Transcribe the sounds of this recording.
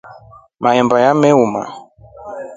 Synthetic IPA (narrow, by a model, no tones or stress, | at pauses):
maɛmbajamɛuma̰